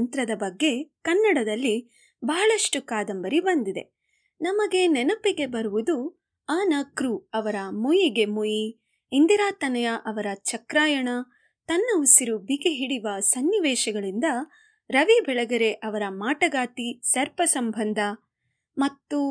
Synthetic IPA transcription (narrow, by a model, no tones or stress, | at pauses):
nt̪ɾɐd̪ɐbɐɡːe̞kɐnːɐɽɐd̪ɐlːi | bɐɦɐɭɐʂʈukaːd̪ɐmbɐɾibɐnd̪id̪e̞̰ | nɐmɐɡe̞nɛnɐpiɡe̞bɐɾuʋud̪u | aːnɐkɾuɐʋɐɾɐmujiɡe̞muji | ind̪iɾaːt̪ɐnɐjɐʔɐʋɐɾɐt͡ʃɐkɾaːjɐɳɐ | t̪ɐnːɐusiɾubiɡeɦiɽiʋɐsɐnːiʋɛːʃɐɡɐɭind̪ɐ | ɾɐʋibɛɭɐɡɐɾe̞ʔɐʋɐɾɐmaːʈɐɡaːt̪isɐɾpɐsɐmbʱɐnd̪ʱɐ | mɐt̪ːu